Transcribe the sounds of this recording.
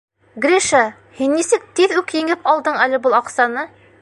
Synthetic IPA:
ɡɾʲiʃa | hinːisɘk̚t̪iðʉkjɘ̆ŋɘpʰɑlˠd̪ɤɴælɘ̆bɤlˠɑqsɑnɤ

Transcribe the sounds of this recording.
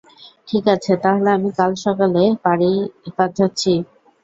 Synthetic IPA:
ʈʰikat͡ɕʰet̪aɦoleamikalʃɔkalepaɽipad͡ʑʰatːɕʰi

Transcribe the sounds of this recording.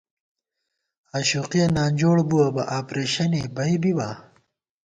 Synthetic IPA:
aːɕuqiɐnaːnd͡ʑoːɽbuwɐbɐ̰ʔaːpɾeːɕɐnebɐibibaː

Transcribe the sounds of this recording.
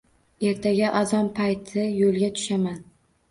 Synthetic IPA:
e̞ɾt̪ʰaɡʲaʔazɒnpʰajt̪ʰɪjolˠɡʲat̪ʰʊ̥ʃaman

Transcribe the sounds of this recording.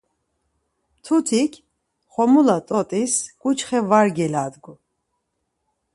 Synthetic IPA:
t̪ʰut̪ʰikʰ | χɔmulat̪ʼɔt̪ʼisɡ̥ʼut͡ʃʰχɛvaɾɡɛlaːd̪ɡu

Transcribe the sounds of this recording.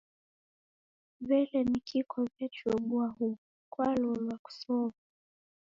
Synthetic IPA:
βɛlɛnikʰikʰɔvɛt͡ʃuɔɓuahu | kwalɔlwaku̥sɔvu

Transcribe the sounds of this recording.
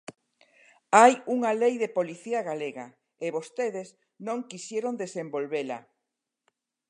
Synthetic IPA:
ajuŋalejðepoliθiaɣaleɣa | eβost̪eðes | nõŋkisjeɾond̪esembolβela̰

